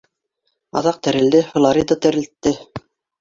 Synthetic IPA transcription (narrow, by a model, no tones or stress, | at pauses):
ɑ̰ðɑq̚t̪æɾɘ̆ld̪ɘflˠɑɾid̪ət̪æ̆ɾɘ̆lt̪ːɘ